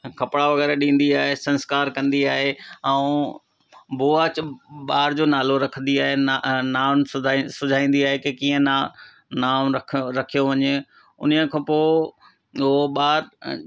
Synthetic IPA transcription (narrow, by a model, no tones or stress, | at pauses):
kʰɐpɽaʋɐɣɛːɾeɗĩːnd̪iaːɦesɐ̃nskaːɾkɐ̃nd̪iaːɦeɛ̃ː | buːaːt͡ɕɓaːɾd͡ʑoːnaːloɾɐkʰə̃nd̪iaːɦenaːʋnɪ̆sʊd͡ʑʱaːĩːn̆d̪iaːɦekekĩːə̃na | naːmɾɐkʰɾɐkʰijoʋɐɲe | ʊ̰nəəkʰãːpoː | oɓaːɾ